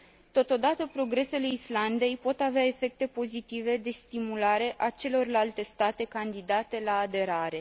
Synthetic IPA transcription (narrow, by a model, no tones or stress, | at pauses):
t̪o̞t̪o̞d̪at̪əpɾo̞ɡɾe̞se̞le̞island̪e̞jpo̞t̪aveae̞fe̞k̚t̪e̞po̞zit̪ive̞d̪e̞st̪imulaɾe̞ʔat͡ʃe̞lo̞rlalt̪e̞st̪at̪e̞kand̪id̪at̪e̞laːd̪e̞ɾaɾe̞